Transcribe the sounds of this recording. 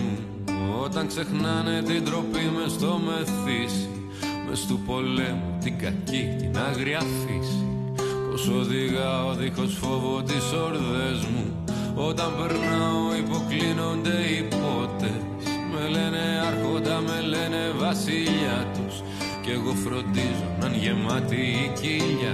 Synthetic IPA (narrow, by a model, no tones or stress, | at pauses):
o̞t̪ɐŋkse̞xnɐne̞t̪ind̪ɾo̞pime̞st̪o̞me̞θisi̥ | mḛst̪upo̞le̞mut̪iɡɐcit̪inɐɣɾiɐfisi | po̞so̞ðiɣɐo̞ðixo̞sfovo̞t̪iso̞ɾðe̞zmu | o̞t̪ɐmbe̞ɾnɐo̞ipo̞klino̞nd̪e̞ipo̞t̪e | s | me̞le̞ne̞ɐɾxo̞nd̪ɐme̞le̞ne̞vɐsiʎɐt̪us | ceɣo̞fɾo̞nd̪izo̞̰nɐnʝe̞mɐt̪iːciʎɐ